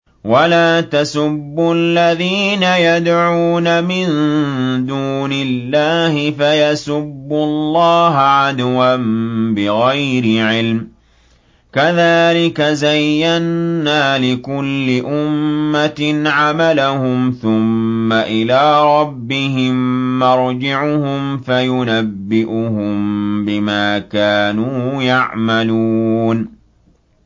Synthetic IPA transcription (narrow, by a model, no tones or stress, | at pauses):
walaːt̪asʊbːʊlːaðiːnajad̪ʕuːnamɪnd̪uːnɪlːaːhɪfajasʊbːʊlˤːɑːɦʕad̪wanbɪɣajɾɪʕɪlm | kaðaːlɪkazajːanːaːlɪkʊlːɪʔʊmːat̪nʕamalahʊmθʊmːaʔɪlaːɾˤɑbːɪɦɪmːɑɾˤd͡ʒɪʕʊhʊmfajʊnabːɪʔʊɦʊmbɪmaːkaːnuːjaʕmaluːn